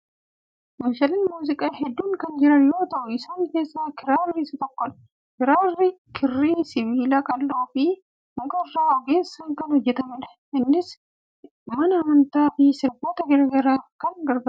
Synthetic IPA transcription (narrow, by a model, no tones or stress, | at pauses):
mɐʃɐlɪnmuːzɪkʼaːhɛd̪ːuːŋkɐnd͡ʒɪɾɐnjo̞ːt̪ɐʔʊɪsaːŋke̞ːsːaːkɪɾaːrːɪsɐt̪ɔkːɔᶑɐ̥ | kɪɾaːrːɪkʰɪrːiːsɪβiːlɐkʼɐlːoːfɪ | hʊŋkʼɐɪrːaːhɔɡe̞ːsːɐŋkɐnhɔd͡ʒːɛt̪ɐmɪᶑɐ̥ | ʔɪnːɪs | mɐnɐːmɐnt̪aːfɪsɪɾboːt̪ɐɡɐɾɡɐɾaːkɐnɡɐɾbɐ